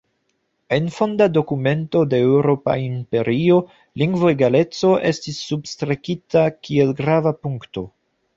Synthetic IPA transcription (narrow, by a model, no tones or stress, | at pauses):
e̞nfo̞ndado̞kume̞nto̞de̞ːwɾo̞pa̰impe̞ɾio̞ | liŋɡvoeɡale̞t͡so̞ʔe̞stisːubstɾekitakie̞lɡɾavapuŋkto̞